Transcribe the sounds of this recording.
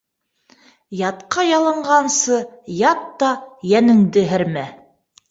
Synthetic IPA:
jɑt̪qɑjɑlˠɤ̆ɴɢɑnsɤjɑt̪ːɑjænɘ̆ŋd̪ɘɦɘɾmæ

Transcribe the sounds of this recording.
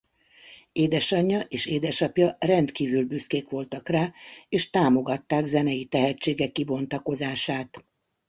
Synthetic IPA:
eːd̪ɛʃɒɲːɒʔeːʃeːd̪ɛʃɒpjɒrɛnt̪kiːvylbyskeːkʋo̞lt̪ɒkraːeːʃt̪aːmo̞ɡɒt̪ːaːɡzɛnɛjit̪ɛɦɛt͡ʃːeːɡɛkːibo̞nt̪ɒko̞zaːʃaːt̪

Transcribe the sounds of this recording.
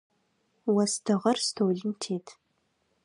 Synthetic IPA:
wɐstʰɐʁɐrstʰoːɮɪntʰeːtʰ

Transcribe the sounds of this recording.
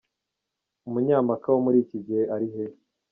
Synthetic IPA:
umuɲaːmakawomuɾiːciɟiheʔaɾiɦe

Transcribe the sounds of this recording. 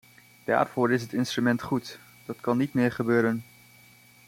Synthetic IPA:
d̥a̰ːɹv̥ʊːɹɪs̬ɦətɪnstrymɛntχut | d̥ɑtkɑnːitmɪːɹχəbøːɾən

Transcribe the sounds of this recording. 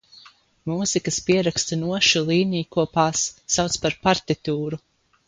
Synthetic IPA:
muːzikəspiɛɾakst̪unuɔʃulˠiːnijukuɔpaːsːawt̪spaɾpaɾt̪it̪uːɾu

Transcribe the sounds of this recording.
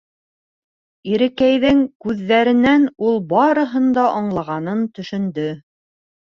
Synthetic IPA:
iɾɘ̆kæjðɘŋkʉðːæɾɘ̆nænulˠbɑɾɤ̆ɦɤ̆nd̪ɑʔɑɴlˠɑʁɑnɤnt̪ɵ̆ʃɵ̆nd̪ɵ

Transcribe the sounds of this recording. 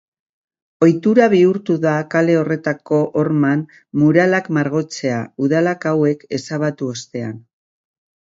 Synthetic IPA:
o̞jt̪uɾaβ̞iuɾt̪uðakale̞o̞re̞t̪ako̞ʔoɾman | muɾalakmaɾɣ̞o̞t͡se̞auðalakawe̞ke̞saβat̪uost̪e̞an

